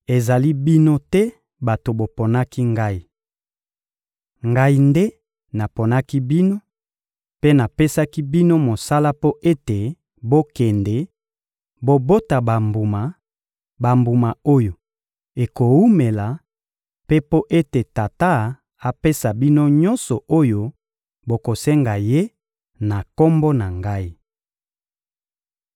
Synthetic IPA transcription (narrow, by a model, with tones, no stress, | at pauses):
e˨za˨li˦bi˦no˦tɛ˦ | ba˨to˨bo˨po˨na˦ki˦ŋɡa˦i˨ | ŋɡa˦i˦ndɛ˦ | na˨po˨na˦ki˦bi˦no˦ | pe˦na˨pe˦sa˦ki˦bi˦no˦mo˨sa˦la˦po˦ʔe˦te˨ | bo˦kɛ˨ndɛ˨ | bo˦bo˦ta˨ba˨mbu˨ma˨ | ba˨mbu˨ma˨o˦jo˨ | e˨ko˨u˦me˨la˨ | pe˦po˦ʔe˦te˨ta˨ta˦ | a˨pe˦sa˨bi˦no˦ɲɔ˦nsɔ˨o˦jo˦ | bo˨ko˨sɛ˦ŋɡa˨je˦ | na˨ko˦mbɔ˦na˨ŋɡa˦i˦